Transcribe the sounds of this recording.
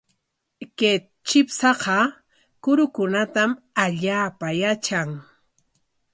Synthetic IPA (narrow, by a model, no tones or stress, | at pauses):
ke | t͡ʃɪpsɑqɑ | kʊɾʊkʊnat̪am | aʎaːpajat͡ʃaŋ